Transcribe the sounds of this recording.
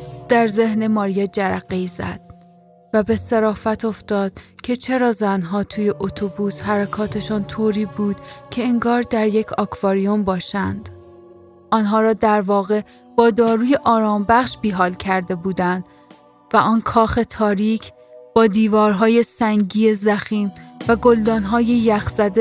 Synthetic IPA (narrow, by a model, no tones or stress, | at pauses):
d̪̥æɾze̞hne̞mɒːɾijed͡ʒæɾæʁɣːezæ̰d̪̥̚ | væbe̞seɾɒːfæt̪ʰo̞ft̪ɒːd̪̥̚cʰe̞t͡ʃʰe̞ɾɒːzænɦɒːt̪ʰuːje̞ʔot̪ʰobuːshæɾækʰɒːt̪ʰe̞ʃɒːnt̪ʰoːɾiːbuːd̪̥cʰe̞eŋɡɒːɾd̪æɾje̞cʰɒkʰvɑːɾijo̞mbɒːʃænd̪̥ | ʔɒːnɦɒːɾɒːd̪æɾvɒːɣe̞ | b̥ɒːd̪ɒːɾuːje̞ʔɒːɾɒːmbæχʃbiːɦɒːlcʰæɾd̪e̞buːd̪ænd̪̥ | væʔɒːnkʰɒːxe̞t̪ʰɒːɾiːcʰ | b̥ɒːd̪iːvɒːɾɦɒːje̞sæŋɡɟiːezæxiːmvæɡo̞ld̪ɒːnɦɒːjejæxz̥æd̪e